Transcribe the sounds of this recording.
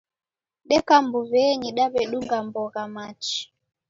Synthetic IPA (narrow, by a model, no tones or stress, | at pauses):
ɗɛkambuβɛɲiɗaβɛɗuŋɡambɔɣamat͡ʃi̥